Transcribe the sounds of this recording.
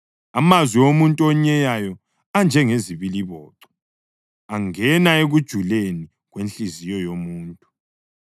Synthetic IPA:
amazwiomuntʼuɔɲɛjajɔ | and͡ʒʱɛŋeziβiliβɔːǁɔ̥ | aŋɛnaeɣud̥ʒ̥ʱuleni | ɣwenɬʼizijɔjomuːntʼu

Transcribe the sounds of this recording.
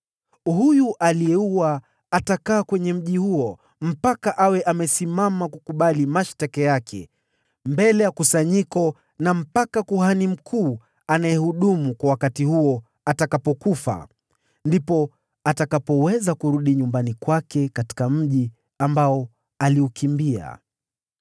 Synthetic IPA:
hujuʔalijɛuwa | atakaːkwɛɲɛm̩ʄihuɔ | m̩pakaʔawɛʔamɛsimamakukuɓalimaʃtakajakʰɛ̰ | mbɛlɛjakusaɲikɔ | nam̩pakakuɦanim̩kʰuː | anajɛhuɗumukwawakatihuɔ | atakapɔkufa̰ | ndipɔ | atakapɔwɛzakuɾuɗiɲumbanikwakɛkati̥kam̩ʄi | ambaɔ | aliukimbia̰

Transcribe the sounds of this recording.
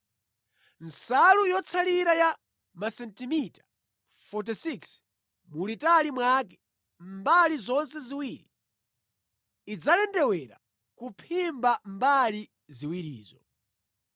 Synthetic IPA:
nsalujɔt͡sʰaliɾaja | masɛntimitḁ | fɔt̬isiks | mulitalimwakɛ̥ | mbalizɔnsɛziwiːɾi | d͡zalɛndɛwɛɾa̰ | kupʰimbambali | ziwiɾḭːzɔ

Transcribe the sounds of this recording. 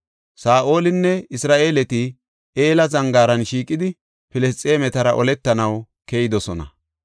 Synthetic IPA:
saːʔo̞ːlɪnːɛɪsɾaːʔe̞ːlɛt̪ɪ | eːlɐzɐŋɡaːɾɐnʃiːkʼːɪd̪ɪ | pɪlɛst͡sʼeːmɛt̪ɐɾɐ̰ʔɔlɛt̪ːɐnɐw | kejɪd̪ɔsɔnɐ̰

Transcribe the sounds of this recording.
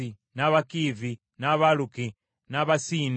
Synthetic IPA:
i | naβakivi | naβaluki | naβasin

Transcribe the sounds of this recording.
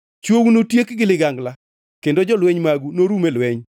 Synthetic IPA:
t͡ʃwownotjekɡɪlɪɡaŋɡla | kendod͡ʒɔlwɛɲmaɡunoɾumelwɛɲ

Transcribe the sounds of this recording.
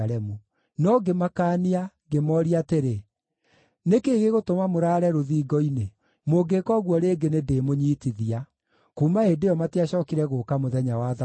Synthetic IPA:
ɾɛmu | nɔɡemakaːnia | ɡemɔɾiateɾe | nekeːɣeɣotomamoɾaːɾɛɾoðiːɡɔine | moːɡekɔɣwɔɾeːɡenedeːmoɲiːtiðia | kuːmaedejɔmateaɕɔːkiɾɛɣoːkamoðɛɲawaa

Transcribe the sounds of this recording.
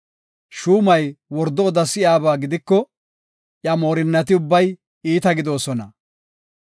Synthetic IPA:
ʃuːmɐjwɔɾd̪ɔːd̪ɐsɪjaːbaːɡɪd̪ɪkːɔ | ʔjɐmo̞ːɾɪnːɐt̪ɪʊbːɐj | iːt̪ɐɡɪd̪o̞ːsɔnɐ

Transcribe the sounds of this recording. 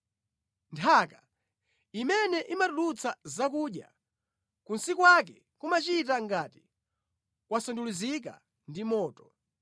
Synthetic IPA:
ntʰaka | imɛnɛʔimatulut͡sazak̬uɗja̰ | kunsikwak̬ɛ | kumat͡ʃit̬aŋɡaːti̥ | kwasɔndulizik̬a̰ | ndimɔːtɔ̥

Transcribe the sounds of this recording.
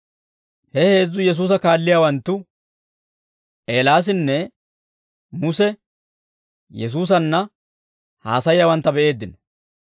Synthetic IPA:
hɛhe̞ːzːʊjɛs̬uːs̬ɐkaːlːɪjaːwɐnt̪ːʊ | ʔeːlaːs̬ɪnːɛ | mʊsɛ | jɛs̬uːs̬ɐnːɐ | haːsɐjjaːwɐnt̪ːɐbɛʔe̞ːd̪ːɪn

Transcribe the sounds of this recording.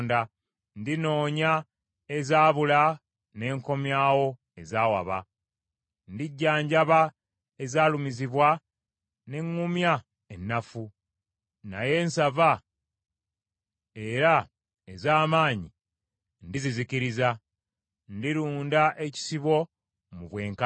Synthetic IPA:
nda | ndino̞ːɲa | e̞zaːβula | ne̞ːŋko̞mjaːwo̞ | e̞zaːwa̰βa̰ | ndiɟːaːɲɟaβa | ezaːlumiziβwa | ne̞ŋːumja | enːafu | na̰je̞ːnsava | e̞ɾa | ezaːmaːɲi | ndiziziciɾiza | ndiɾuːndaʔe̞ci̥siβo̞ | muβwe̞ːŋka

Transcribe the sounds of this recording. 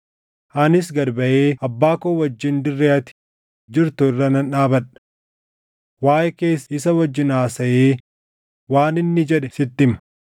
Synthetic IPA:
ʔɐnɪs̬ɡɐɾbɐʔeːʔɐbːaːkoːwɐd͡ʒːɪnd̪ɪrːeːɐt̪ɪ̥ | d͡ʒɪɾt̪ʊɪrːɐnɐnᶑaːbɐᶑɐ̥ | waːjʔɛkeːsɪs̬ɐwɐd͡ʒːɪnaːsɐʔeː | waːnɪnːɪd͡ʒɛᶑɛsɪt̪ːɪmɐ̥

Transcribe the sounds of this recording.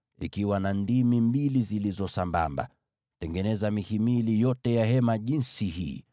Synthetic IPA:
ḭkiwanandimimbilizilizɔsamba̰mba̰ | tɛŋɡɛnɛzamihimilijɔtɛjaɦɛmaʄinsihḭː

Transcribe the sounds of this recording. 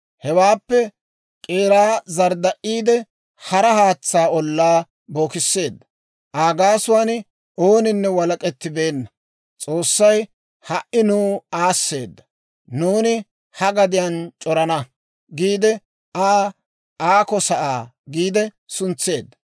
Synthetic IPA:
hɛwaːpːɛ | kʼeːɾaːzɐɾd̪ɐʔiːd̪ɛ | hɐɾɐhaːt͡sːaːɔlːaː | bo̞ːkɪsːe̞ːd̪ːɐ | ʔaːɡaːsʊwaːn | o̞ːnɪnːɛwɐlɐkʼɛt̪ːɪbe̞ːnːɐ | t͡sʼo̞ːsːɐj | hɐʔɪnuːaːsːe̞̰ːd̪ːɐ | nuːnɪ | hɐɡɐd̪ɪjant͡ʃʼɔɾɐnɐ | ɡiːd̪ɛ | ʔaː | ʔaːkɔsɐʔaː | ɡiːd̪ɛ | sʊnt͡sːe̞ːd̪ːɐ̥

